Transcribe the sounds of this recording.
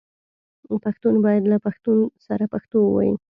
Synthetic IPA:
paxt̪unbɑjad̪lapaxt̪unsaɾapaxt̪owəwa̰jḭ

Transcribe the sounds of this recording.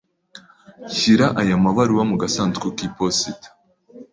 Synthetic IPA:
çiɾaʔajamaβaɾuwamuɡasaːntkukipositḁ

